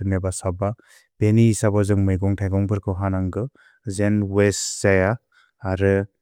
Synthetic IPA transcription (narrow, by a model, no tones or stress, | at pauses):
ɯnebasaba | b̥eniːsabazɯŋmɯjɡɔŋtʰajɡɔŋbɯɾkʰɯwɦanaŋɡɯ | zenwesz̥ajaː | ɾɯ